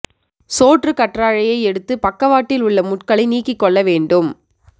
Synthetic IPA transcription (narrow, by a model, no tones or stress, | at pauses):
soːʈrɯkɐʈraːɻɐjɐɪɛɽɯt̪ːɯpɐkːɐʋaːʈːɪlʊɭːɐmʊʈkɐɭɐɪniːkːɪkːɔɭːɐʋeːɳɖɯm